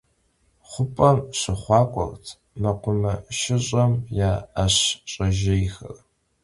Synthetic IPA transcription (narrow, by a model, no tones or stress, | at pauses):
χʷʊpʼɐmɕɪχʷɑːkʷʼɔ̰rtʰ | mɐqʷʊmɐʃɪɕʼɐmjaːɕɕʼɐʒɪjxɐ̰r